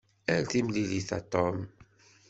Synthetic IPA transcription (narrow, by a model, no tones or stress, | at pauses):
æɾθimliliθɑ̰t̪ːom